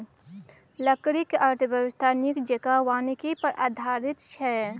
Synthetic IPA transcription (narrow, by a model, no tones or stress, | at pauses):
ləkɾikəɾt̪ʰəbəwɪst̪ʰaːnikd͡ʒekawaːnikipɐɾa̰ːd̪ʱaːɾɪt̪t͡ʃʰɛ